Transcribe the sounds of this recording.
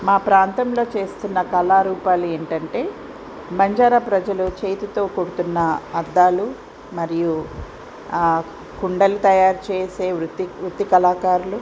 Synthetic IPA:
maːpɾaːnt̪ɐmlo̞ːt͡ʃe̞ːst̪unːɐkɐlaːɾuːpaːlue̞ːɳʈɐɳʈe̞ː | bɐɲd͡ʒaːɾɐpɾɐd͡ʒɐlut͡ʃeːjt̪ut̪o̞ːkoɽut̪unːɐɐɾd̪aːlu | mɐɾiju | kuɳɖɐlut̪ɐjaːɾt͡ʃe̞ːse̞ːʋɾut̪ːiʋɾut̪ːikɐlaːkaːɾulu

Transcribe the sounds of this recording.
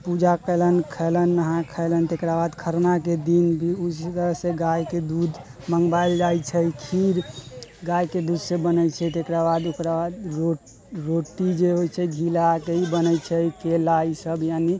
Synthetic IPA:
pud͡ʒakələnkʰələnːəɦãkʰələnt̪ekɾabad̪kʰəɾnaked̪inbʱiust̪əɾəɦseɡajked̪ud̪ | məŋɡbajld͡ʒajt͡ʃʰəjkʰiɾɡajked̪ud̪sebənət͡ʃʰɛt̪ekɾabad̪okɾabad̪ɾo | ɾoʈid͡ʒeɦojt͡ʃʰɛɡʱilakeibənət͡ʃʰɛikelaisəbjani

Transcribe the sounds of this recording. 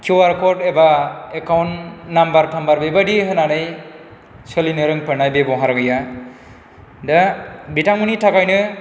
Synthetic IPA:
kʰiwaɾkɔɾtebaekawnːambaɾtʰambaɾbebadiɦɯnanɯj | sɯlinɯɾɯŋpʰɯɾnajbebɔɦaɾɡɯja | dabitaŋɯnitʰakajnɯ

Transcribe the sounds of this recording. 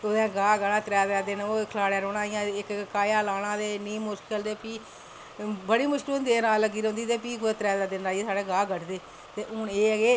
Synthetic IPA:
oːãːɡaːɡanãːt̪ɾɛːd̪ɛːd̪ɪnoːkʰəlaːɽjaːɾoːɽãːɪjãːɪkkaːjaːlaːnãːd̪eːniːmoskəld̪eːpiː | bəɽiːmʊsʈuːnd̪eːnãːlːəɡiːɾ̃õnd̪iːt̪eːpiːkoeːt̪ɾɛːd̪ɛːd̪ɪnaːeːsaːɽeːɡaːɡəʈʰd̪eː | t̪eːʔʊːneːəɡeː

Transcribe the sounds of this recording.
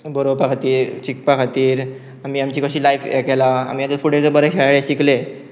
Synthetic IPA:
bəɾopakat̪iːɾt͡ɕik̚pəkʰat̪iːɾ | amiːamt͡ɕiːkəɕiːlajfḛkɛlaa̰miːjad̪əɾfuɽed͡zəbəɾeɕɛɭaɭeɕikle

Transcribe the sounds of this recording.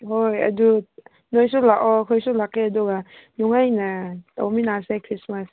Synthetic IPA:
hojɐ̰du | nojsulakɔkʰojsulakːeɐduɡanuŋajnɐta̰wminasekʰɾismas

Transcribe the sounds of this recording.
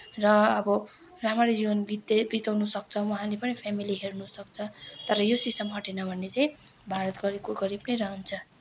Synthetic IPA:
rʌʌbʌ | ramʌɾid͡zibʌnɡit̪ebit̪awnusʌk̚t͡sʰʌwʌɦãlepʌnipʰjamiliɦernusʌk̚t͡sʰʌt̪ʌɾʌjosisʈʌmɦʌʈenʌbʱʌnːet͡saj̃bʱaɾʌt̪ɡʌɾikoɡʌɾipnʌjɾʌɦʌnt͡sʰʌ

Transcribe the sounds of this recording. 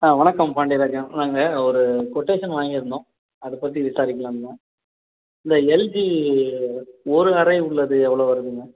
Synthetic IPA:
aːʋɐɳɐkːɐmpɐɳɖɪɾaːkːɐ̃naːŋɡɐɔɾɯkɔʈːeːʂɐnʋaːŋɡiɾɯnd̪õː | ɐðɯpɐt̪ːiʋɪsaːɾɪkːɐlannɐ̃ | ɪnd̪ɐɛld͡ʒi | ɔɾɯɐɾɐɪʊɭːɐðɯɛʋːɐɭoːʋɐɾɯðɯŋɡɐ

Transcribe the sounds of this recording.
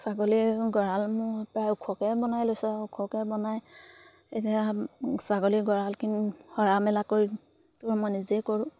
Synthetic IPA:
saɡoliɡɔɹalmʊɹpɹajukʰɔkɛbɔnajlojsaʊkʰɔkɛbɔnaj | etiasaɡoliɡɔɹalkinhɔɹamɛlakoɹi | tʊɹmɔjnizekɔɹʊ̃

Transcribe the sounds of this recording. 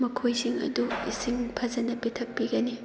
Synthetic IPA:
mɐkʰojsiŋɐ̰duisiŋpʰɐzɐnɐpitʰɐk̚piɡɐni

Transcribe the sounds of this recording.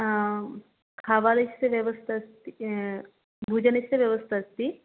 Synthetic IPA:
kʰaːʋalɐt͡ʃseʋjɐʋəst̪ʰast̪i | bʱuːd͡ʒənɐsseʋjɐʋəst̪ʰaːst̪i

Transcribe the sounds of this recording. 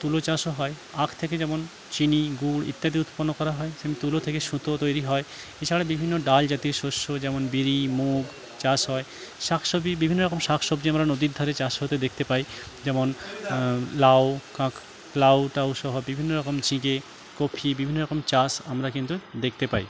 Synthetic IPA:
t̪ulot͡ɕaʃoɦɔe | akʰt̪ʰeked͡ʑɛmon | t͡ɕiniɡuɽḭt̪ːad̪iut̪ponːokɔɾaɦɔeʃemit̪ulot̪ʰekeʃũt̪ot̪ojɾiɦɔe | et͡ɕʰaɽabibʱinːoɖald͡ʑat̪iɾʃoʃːod͡ʑɛmonbiɾimuɡ | t͡ɕasɦɔe | ʃakʰʃobibibʱinːoɾɔkomʃakʰʃobd͡ʑiamɾanod̪iɾd̪ʱaɾet͡ɕaʃɦot̪ed̪ekʰt̪epajd͡ʑɛmon | lawkãkʰ | lawʈawʃɔɦobibʱinːoɾɔkomd͡ʑĩɡe | kopʰibibʱinːoɾɔkomt͡ɕasamɾakint̪ud̪ekʰt̪epaj

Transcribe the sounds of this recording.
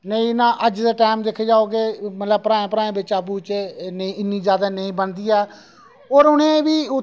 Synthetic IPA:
nəĩːnãːʔəd͡ʒd̪eːʈaːmd̪ekʰːeːd͡ʒaːoːkemət̪ləbpɾãːẽːpəɾaːẽːbɪt͡ʃəbuːt͡ʃnĩːɪnːĩːd͡ʒjaːd̪aːnəĩːbənd̪iːɛː | oːɾʊnẽːʋiːʊ

